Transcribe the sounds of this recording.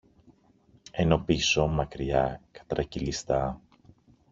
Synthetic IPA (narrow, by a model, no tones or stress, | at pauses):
e̞no̞pisomɐkɾiɐkɐ̥t̪ɾɐcilist̪ɐ